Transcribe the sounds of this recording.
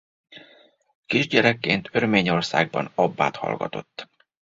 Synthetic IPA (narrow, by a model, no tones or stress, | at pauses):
kiʒɟɛɾɛkːeːnt̪ʰørmeːɲo̞rsaːɡ̚bɒnɒbːaːt̪hɒ̰lɡɒ̰t̪o̞̰t̪ː